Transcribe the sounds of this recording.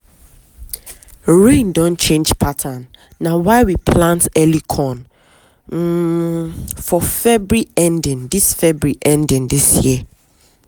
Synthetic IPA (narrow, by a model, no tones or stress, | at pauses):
ɹẽndɔ̃nt͡ʃʰẽnd͡ʒpʰatʰanː | ãwaɪwipʰlãntɛlikʰɔ̃n̩ | fɔfɛbɹiɛ̃ndɪ̃ndisfɛbɹiʔɛ̃ndɪ̃ndisji